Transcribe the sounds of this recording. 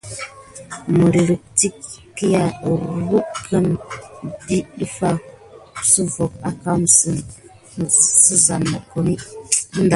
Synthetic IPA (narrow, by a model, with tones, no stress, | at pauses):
mə˨ɾi˨ɾə˨k̚ti˦kkːi˦ja˦˨ɾwu˦kʰə˦n | di˦ɗə˦fa˦˨ | sə˦vo˨ka˨ka˦m˨sə˨n˨ | sə˦za˨nːa˨ko˨ni˦nda˨